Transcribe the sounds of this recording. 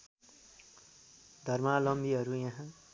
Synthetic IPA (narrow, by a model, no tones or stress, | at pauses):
d̪ʱʌrmalʌmbiɦʌɾujãɦã